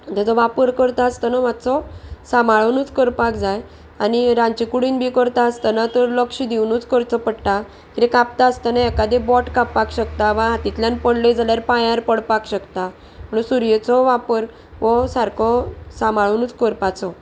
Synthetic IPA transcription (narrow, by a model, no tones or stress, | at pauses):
d͡ʑ̪at͡sɔʋapəɾkəɾt̪aːst̪ənamat̪t͡sɔsamaɭənut͡skəɾpakd͡zaj | aniɾãɲt͡ɕikuɽiːnbʱikəɾt̪aəst̪ənat̪əɾləkʂid̪iwnuːt͡skəɾt͡sɔpəɽʈa | kit̪ekapt̪aːst̪anajɛkad̪ɛbɔʈkapːakɕəkt̪aʋãɦat̪it̪ljanpəɳləjd͡zʱaljaɾpajaɾpəɽpakɕəkt̪a | m̤əɳusuɾjet͡sɔʋapəɾ | ʋɔsaɾkʰɔsamaɭənuːt͡skəɾpat͡sɔ